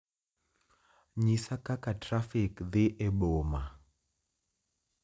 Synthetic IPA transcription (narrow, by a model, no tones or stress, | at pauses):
ɲisakakatɾafikðɪʔɛɓɔma